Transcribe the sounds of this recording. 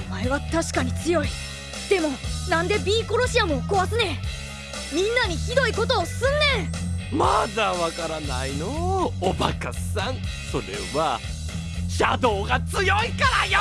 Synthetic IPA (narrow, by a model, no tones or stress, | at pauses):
omaeβat̪aɕi̥kaɲ̟it͡sɨjo̞i | d̪̥e̞mo̞nãnd̪e̞bʲiːko̞ɾo̞ɕiamo̞ko̞βasɨne | mʲĩnːaɲ̟içid̪o̞iko̞t̪o̞ːsɨ̃nːẽmad̪aβakaɾana̰inoːba̰kasãɴ | so̞ɾe̞̰βa | ɕad̪o̞ːɡat͡sɨjo̞ikaɾaj